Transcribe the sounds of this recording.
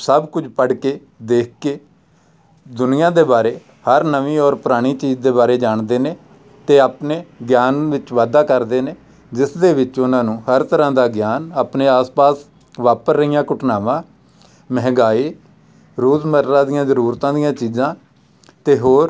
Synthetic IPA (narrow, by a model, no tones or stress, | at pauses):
səbkʊd͡ʒpəɽkeː | d̪eːk̚ʰkeː | d̪ʊnɪjãːd̪eːbaːɾeː | həɾnəʋĩːɔːɾpʊɾaːɽ̃iːt͡ʃiːd͡ʒd̪eːbaːɾeːd͡ʒaːɳd̪eːneː | t̪eːaːpneːɡjaːnʋɪt͡ʃʋaːd̪aːkəɾd̪eːneː | d͡ʒɪsd̪eːʋɪt͡ʃʊnãːnũːhəɾt̪əɾãːd̪aːɡjaːnaːpneːaːspaːs | ʋaːpəɾːəɪjãːkʊʈʰnaːʋãː | mɛɦɡaːiː | ɾoːzməɾɾãːd̪ɪjãːzəɾuːɾt̪ãːd̪ɪjãːt͡ʃiːzãː | t̪eːɦoːɾ